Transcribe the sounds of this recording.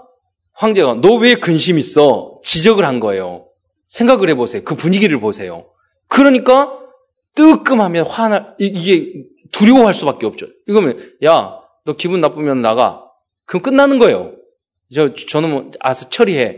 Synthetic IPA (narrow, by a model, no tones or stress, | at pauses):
ɸwaŋd͡ʑe̞ɡanʌwekɯnɕ̬ʰimis͈ʌt͡ɕid͡ʑʌɡɯɭhanɡʌe̞̰jo̰ | sʰe̞ŋɡaɡɯɭhe̞bosʰe̞jokɯpuɲiɡiɾɯɭposʰe̞jo̰ | kɯɾʌɲik͈a | t͈ɯk͈ɯmhamjʌnɸwanaiiɡe̞ | tuɾiɡoɦaɭs͈ubak͈eʌp̚t͡ɕ͈oiɡʌmjʌnja | nʌkibunːap͈umjʌnnaɡa̰ | kɯnk͈ɯnːanɯnɡʌe̞jo̰ | t͡ɕʌt͡ɕʌnɯnwʌa̰sʰʌt͡ɕʰʌɾiɦe̞